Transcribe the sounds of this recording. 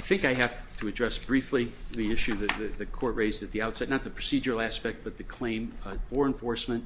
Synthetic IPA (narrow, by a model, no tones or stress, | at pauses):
ɪθɪ̃ŋkaɪɦæftʰəɨdɹɛsb̥ɹifliðiɪʃʉðɨt̪̚ðɨt̪ðɨkʰɔɹʔ̚ɹeɪzdɨt̪̚ðiaʊtsɛtⁿnət̪̚ðɨpʰɹ̥ɨsid͡ʒə˞l̩ˠæspɛk̚t̚b̥ʌt̪̚ðɨkʰl̥ẽɪ̃mfə˞ɨ̃ɱfɔɹsmɨ̃nt̚